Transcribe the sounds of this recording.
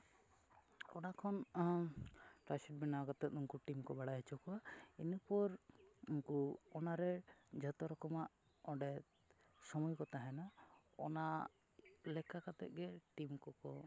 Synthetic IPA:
ɔnakʰɔn | ʈɾajsɛʈ̚binawaɡɔt̪ɛt̪uŋkuʈimkɔbaɽaɦɛt͡ʃʰɔkɔainupɔɾuŋkuɔnaɾɛd͡ʒɔt̪ɔɾɔkɔmaʔ | ɔɖɛt̪ | sɔmɔjkɔt̪aɦɛna | ɔ̰na | lɛkʰakat̪ɛ̰ʔ̚ɡɛʈimkɔkɔ

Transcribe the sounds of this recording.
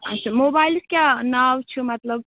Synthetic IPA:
ʌsʰumobajlskjanawt͡ʃʰumɐt̪ləb

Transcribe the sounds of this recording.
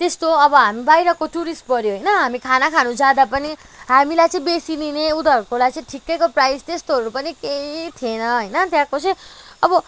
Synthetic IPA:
t̪est̪oʌbʌɦamibajɾʌkoʈuɾisʈ̚pʌɾjoɦʌjnʌɦamikʰanakʰanũd͡zad̪apʌni | ɦamilajt͡sʌĩbesinineud̪ʌkolajt͡sʌ̃ĩʈʰikːekoprajst̪est̪oɦʌɾupʌnikeit̪ʰienʌɦʌjnʌt̪jãkot͡sʌ̃j̃ʌbʌ

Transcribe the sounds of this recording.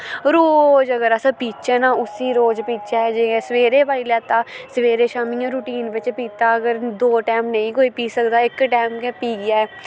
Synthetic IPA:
ɾoːd͡ʒəɡəɾəsãːpiːt͡ʃɛːnãːʊsiːɾoːd͡ʒpiːt͡ʃɛːɛːd͡ʒẽːsəʋeːɾeːbaːiːlɛːt̪aːsəʋeːɾeːʃaːmiːãːɾuːʈiːnbɪt͡ʃpiːt̪aːəɡəɾd̪oːʈɛːmnəĩːkoːiːpiːsəkd̪aːɪkʈɛːmkeːpiːɡɪjaːɛː

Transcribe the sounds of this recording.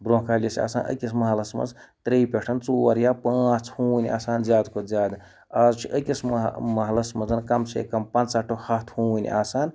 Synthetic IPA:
bɾoːɦkaːlʲjɐsia̰ːsaːnʔə̰kʲismɐɦlɐsmɐ̰nd͡zt̪ɾeːpʲeʈʰɐnt͡suːwɐɾjaːpãːt͡shuːnʲa̰ːsaːnzʲjaːd̪kozʲjaːd̪ | aːzt͡ʃʰiʔəkʲismmɐɦlɐsmɐnzɐnkɐmsʰḛːkɐmpɐnt͡saʈʰːohɐt̪ʰhuːn̰ʲʔa̰ːsaːn

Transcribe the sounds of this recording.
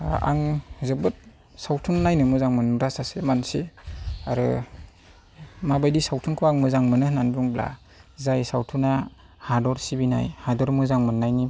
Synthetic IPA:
a̰ŋzɯbɯt̚ | sawtʰunnajnɯmɯzaŋmɯnɾasasemansiaɾɯ̰ | mabajdisawtʰuŋkʰbaŋmɯzaŋmɯnɯhnanbuŋbla̰ | zajsawtʰuna | hadɔɾsibina̰jhadɔɾmɯzaŋmɯnːajni

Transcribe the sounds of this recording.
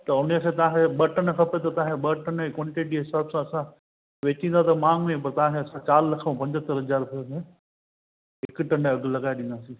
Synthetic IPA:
t̪ɐʊnəkʰeːt̪ɐʋ̤ãkeɓɐʈənəkʰɐpet̪ɐt̪ɐãkʰeɓəʈənkwɔ̃ɳʈeʈiɦɪsaːbsãɐsã | ʋeːt͡ɕĩnd̪at̪ɐmãːŋɡmẽp̬ɐɾt̪ɐʋãːkʰeːɐsãt͡ɕaːɾlɐkʰmẽpɐ̃ɲd͡ʑət̪əɾɦɐzaːɾpʰemẽ | ɪkʈɐ̃ɳɖəɐɡlɐɡaːeɗĩnd̪aːsĩː

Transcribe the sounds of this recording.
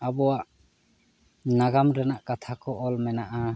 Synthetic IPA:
abɔwaʔ | naɡamɾɛnaʔkat̪ʰakɔʔɔlmɛnaʔa

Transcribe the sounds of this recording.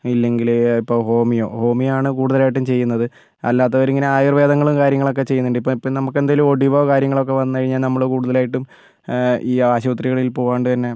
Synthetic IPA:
ilːe̞ŋɡilipːo̞ːho̞ːmijo̰ːho̞ːmijaːɳɨkuːɽuðɐlaːjiʈ̬ːumt͡ɕe̞jːunːɐðɨ | ɐ̰lːaːt̪ːɐoɾiŋːɐneaːjirʋe̞ːd̪ɐŋːɐɭumkaːɾjɐŋːɐɭo̞kːe̞t͡ɕe̞junːuɳɖɨipːoːipːoːnɐmukːe̞nd̪ajilumo̞ɽiʋoːkaːɾjɐŋːɐɭo̞k̬ːe̞ʋɐnːɨkɐɻiɲːaːlnɐmːɐɭkuːɽuðɐlaːjiʈːum | iːaːɕɐʋɐt̪riɣɐɭilpo̞ːaːɳɖɨt̪ɐnːe̞

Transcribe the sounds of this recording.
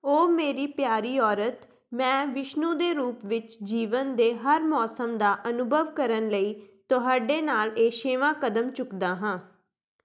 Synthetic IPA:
oːmeːɾiːpjaːɾiːɔːɾət̪ | mɛ̃ːʋɪʃnũːd̪eːɾuːpʋɪt͡ʃd͡ʒiːʋənd̪eːɦəɾmɔːsəmd̪aːʔənʊbʱəʋkəɾənləiːt̪oɦaːɖeːnaːleːʃeːʋãːkəd̪əmt͡ʃʊkd̪aːɦãː

